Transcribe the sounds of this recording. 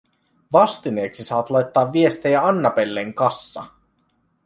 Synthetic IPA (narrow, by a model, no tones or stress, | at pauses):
ʋɑst̪ine̞ːksisɑːɑt̪lɑjt̪ːɑːʋːie̞st̪ejæɑnːɑpe̞lːeŋkɑsːɑ̰